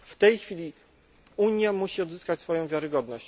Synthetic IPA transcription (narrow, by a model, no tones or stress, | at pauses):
ft̪ɛjxfʲilʲi | uɲjamuɕiɔd̪zɘskat͡ɕsfɔjɔ̃w̃vʲjaɾɘɡɔd̪nɔɕt͡ɕ